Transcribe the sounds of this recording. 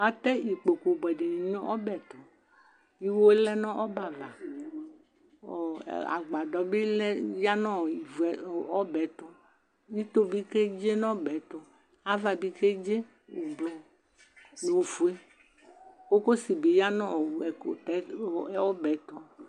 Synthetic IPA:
a˨t̪ɛ˦i˨k͡po˨ko˨bɛ˨de˨nĩ˨ɲõ˦ʔɔ˦bɛ˨t̪ɔ˨ | i˦wo˦lɛ˦nɔ̃˦ʔɔ˦ba˨va˨ | a̰˨ɡ͡ba˨dɔ˨be˦lɛ˦ja˦nɔ̃˦˨i˨vu˨˦ɔ˦bɛ˨˦t̪ɔ˦ | ji˦t̪o˦bi˦ke˦d͡ʒe˦nɔ̃˦bɛ˨˦t̪ɔ˨ | a˨va˨bi˦ke˦d͡ʒe˦ | o˨blɔ˨ | ne˨wo˨fu˨e˦ | wo˦ko˦si˨be˨ja˦nɔ̃˦˨ɛ˨ko̰˨t̪ɛ˨˦wɔ˦bɛ˨˦t̪ɔ˨˦

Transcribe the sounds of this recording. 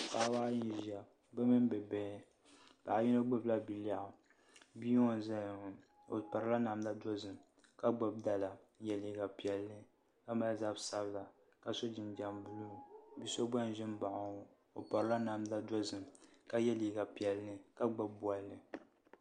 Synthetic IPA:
ka˨˦wa˦ʔji˦n˦˨ʒa˨ | bɛ˦mɨ˦m˦bɛ˨bɛ˨˦ | pa̰˨ji˦no˦ɡ͡bʊ˦bla˦bi˨la˨ʔʊ˨ | bi˦ŋo˦nza˦˨ŋ˨ | o̰˨pa˨ɾɨ˨la˦na˨m˦da˦dɔ˦zɨ˨m | ka˦ɡ͡ba˨b̚da˨la˨˦jɛ˨liː˨ɡa˨pi˨ɛ˨lːɨ˦ | ka˦ma˦za˦bsa˦bla˨ | ka˨so˦d͡ʒɪ˨nd͡ʒa˨mbu˦lu˦˨bi˦so˦ɡ͡ba˦n˦ʒɪ˦m˦ba˨ʔa˨ŋo˨ | o˨pa˨ɾɨ˦la˦na˨m˦da˦dɔ˦zɨ˨mka˦jɛ˦liː˨ɡa˨pi˨ɛ˨lnɨ˨ka˦ɡ͡ba˦bbu˦a˦lnɨ˨

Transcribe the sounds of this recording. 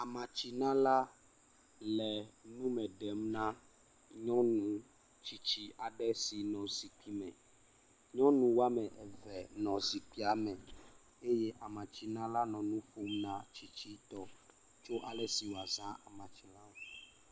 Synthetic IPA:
a˨mã˨t͡ʃi˨nã˦la˦ | lɛ˨nũ˦mɛ̃˨ɖɛ˨mnã˦ | ɲɔ̃˦nũ˦ | t͡ʃi˦t͡ʃi˦a˨ɖɛ˦si˨nɔ̃˨zi˨k͡pi˦mɛ̰̃˨ | ɲɔ̃˦nũ˨wa˦mɛ˨ʔɛ˨vɛ˨nɔ̃˨zi˨k͡pi˦a˦mɛ̃˨ | e˦je˦ʔa˨mã˨t͡ɕi˦nã˦la˦nɔ̃˨nũ˦ɸo˨˦mnã˦t͡ʃi˦t͡ɕi˦t̪ɔ˨ | t͡ʃo˦ʔa˨lɛ˨si˨wo˨a˨zã˦ʔa̰˨mã˨t͡ʃi˨la˦wo˦

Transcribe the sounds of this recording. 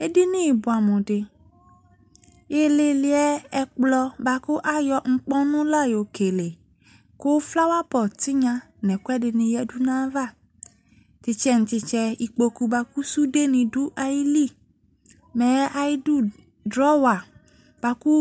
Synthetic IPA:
e˦de˦nĩ˦˨bu˨a˨mɔ̃˨ɖe˨ | je˨le˨li˨ɛ˦ɛ˨k͡plɔ˦ba˨ku˦ʔa˦jɔ˨ŋ̩˦k͡pɔ˦nũ˦la˦jo˨ke˨le˨ | ko˦wfla˦wa˦pɔ˨t̪i˦ɲã˦ | nɛ̃˨ku˦ɛ˦dɪ˨nĩ˨jɛ˦du˦nã˦va˦˨ | t̪i˨t͡ʃɛ˦ŋ̩̃˨t̪i˨t͡ʃɛ˦i˨k͡po˨ku˦ba˨ku˦su˦ɖe˦nĩ˨du˦ʔa˨ji˦li˦ | mɛ̃˨˦ʔa˨ji˦du˦ | dɾɔ˦wa˨ | b̥a˨ku˦

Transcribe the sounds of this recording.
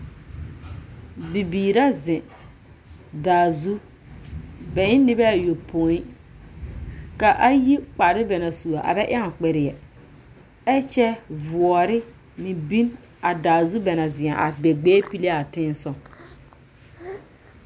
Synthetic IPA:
bi˨biː˨ɾa˦zɪ̃˨ | daː˨zu˦ | bɛ˨ɪ˦nɪ˦bɛ˦a˨jo˨pʰo˨˦i˦ | ka˨ʔa˦ji˦k͡pa˨ɾɪ˦bɛ˨na˨su˨a˨ʔa̰˨bɛ˦ʔɪ̰˦a˦˨k͡pɛ˨ɾɪ˨ɛ˨ | ɛ˦t͡ʃɛ˦vʊ˨ɔ˨ɾɪ˦ | mɪ̃˨bi˦n | a˨daː˨zu˦bɛ˨na˨zɪ̃˨a˨ʔa̰˨bɛ˨ɡ͡bɛː˦pi˦le˦a˨tɪ̃ː˦n˦sɔ˦

